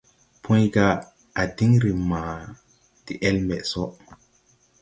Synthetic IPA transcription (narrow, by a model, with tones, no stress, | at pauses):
pʰõ˦jɡa˦ | a˨di˦ŋɾi˨maː˨ | d̥i˨ʔe˦lme˨ʔso˦ʔ